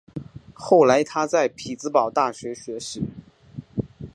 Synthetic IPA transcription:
xo˥˩ʊla˧˥ɪt̪ʰa˥t͡sa˥˩ɪpʰi˨˩t͡sɹ̩˧˥pɑ˨˩ʊt̪a˥˩ɕɥɛ˧˥ɕɥɛ˧˥ʂɻ̩˨˧˥

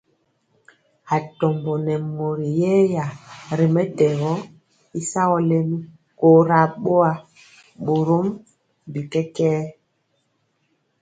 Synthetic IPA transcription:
a˨tɔ˨mbɔ˨nɛ˨mo˨ɾi˨jɛ˦ja˨ɾi˨mɛ˦tɛ˨ɣɔ˦ | i˦sa˦ɣɔ˨lɛ˦mi˦ | ko˨ɾa˨ɓo˦a˨ | ɓo˨ɾo˦m | bi˨kɛ˦kɛː˦

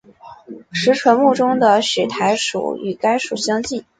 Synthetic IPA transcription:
ʂɻ̩˧˥ʈ͡ʂʰwə˧˥nmu˥˩ʈ͡ʂʊ˥ŋd̪ə˨ɕɛ˨˩t̪ʰa˧˥ɪʂṵ˨˩y̰˨˩ka˥ɪʂu˨˩ɕjɑ˥ŋt͡ɕi˥˩n

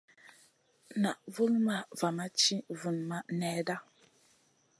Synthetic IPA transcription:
na˨ʔvɨ˦ŋ˦ma˦va˨ma˦t͡ʃi˦vu˨n˨ma˦nɛː˦da˦

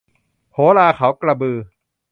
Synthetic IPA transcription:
hʰoː˨˦laː˧kʰa˨˦wkla˧bɯː˧

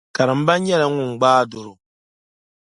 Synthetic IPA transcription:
ka˨ɾɨ˨m̩˦ba˦ɲ˦ɲɛ˦la˨ŋʊ˨ŋ̩˨ɡ͡baː˦dʊ˨ɾʊ˨

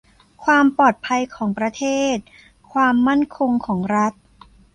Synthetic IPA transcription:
kʰwaː˧mpɔː˨˩t̪̚pʰa˧jkʰɔː˩˦ŋpɾa˧t̪ʰeː˥˩t̪̚ | kʰwaː˧mːa˥˩nkʰo˧ŋkʰɔː˩˦ŋɾa˦˥t̪̚

